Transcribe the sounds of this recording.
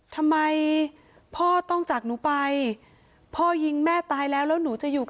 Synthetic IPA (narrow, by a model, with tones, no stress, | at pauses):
t̪ʰa˧mːa˧j | pʰɔː˥˩t̪ɔ˥˩ŋt͡ɕa˨˩k̚nuː˩˦pa˧j | pʰɔː˥˩ji˧ŋmɛː˥˩t̪aː˧jlɛː˦˥wlɛː˦˥wnuː˩˦t͡ɕa˨˩juː˨˩k